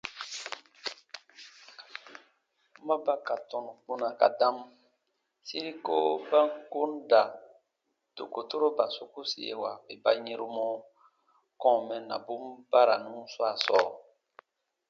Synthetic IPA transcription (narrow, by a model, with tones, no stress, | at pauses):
u˦ma˦ba˦ka˨tɔ˨nũ˨k͡pu˦nã˨ka̰˨dã˦m | si˦ɾi˦ko˦bã˦ŋko˦n˦da˨ | to̰˨ko˨to˦ɾo˦ba˨so˨ku˦sḭ˨jḛ˨wa˨be˨ba˦ɲẽ˦ɾu˦mɔ̃˦ | kɔ̃˦˨mɛ̃˨nã̰˨bu˦m˦ba˦ɾa˨nũ˦so˦a˨sɔ˨